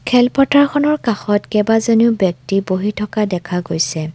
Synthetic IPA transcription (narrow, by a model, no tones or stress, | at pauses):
kʰɛlpɔtaɹxɔnɔɹkaxɔtkɛbazoniʊbjɔk̚tiboɦitʰɔkadɛkʰaɡojsɛ